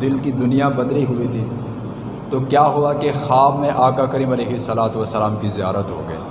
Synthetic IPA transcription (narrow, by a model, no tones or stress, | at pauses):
ɪlkid̪ʊnijabɐd̪liɦʊit̪ʰiː | t̪okjaːɦʊakexaːbmẽʔaːkakɐɾiːmɐleːɦɪsːɐlaːt̪ʋəsːəlaːmkizijaːɾət̪ɦo̰ɡɐḭː